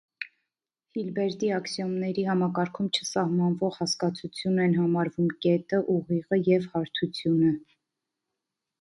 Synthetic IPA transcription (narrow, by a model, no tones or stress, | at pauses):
hilbɛɾd̪iɑksjɔmnɛɾiɦɑmɑkɑɾkʰumt͡ʃʰəsɑhmɑnvɔʁhɑskɑt͡sʰut͡sʰjunɛnɦɑmɑɾvumkɛt̪əʔuʁiʁəjɛvhɑɾt̪ʰut͡sʰjunə